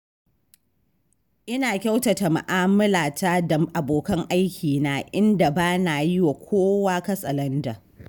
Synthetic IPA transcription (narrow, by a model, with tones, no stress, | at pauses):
ʔɪ˦naː˨kʲa˦wta˨ta˨ma̰˨ʔaː˦mɪ˦laː˨ta˦da˨ʔa˨boː˨kɐ˦ŋʔa˦jkʲiː˨naː˨ʔɪ˦nda˨baː˦na˨jɪ˦wa˨kʷʰoː˦waː˦kɐ˦sʼɐ˨lɐ˦nda˨